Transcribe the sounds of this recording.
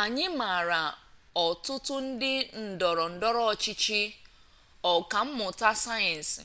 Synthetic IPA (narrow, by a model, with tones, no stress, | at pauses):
a˨ɲɪ˦ma˨ɾa˨ | ɔ˨tʊ˦tʊ˦n̩˦dɪ˦n̩˨dɔ˨ɾɔ˨n̩˨dɔ˦ɾɔ˦ɔ˨t͡ʃi˦t͡ʃi˦ | ɔ˨ka˨m̩˦mʊ˨ta˦sa˦jɛ˨n̩˨si˨